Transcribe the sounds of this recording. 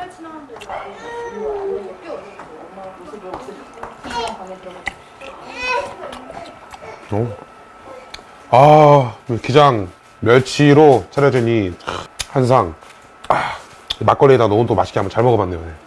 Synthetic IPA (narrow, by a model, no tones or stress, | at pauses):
o | a | kid͡ʑaŋ | mjʌɭt͡ɕʰiɾot͡ɕʰaɾjʌdweɲi | hansʰaŋ | a | mak͈ʌɭːedanomudomaɕʰi̥ɡʰiambʌnt͡ɕaɭmʌɡʌmanːejoje̞